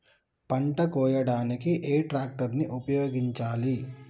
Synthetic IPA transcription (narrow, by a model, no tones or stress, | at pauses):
pɐɳʈɐkɔːjɐɽaːnikiʔeːʈɾaːk̚ʈɐɾniʔupɐjoːɡiɲt͡ʃaːli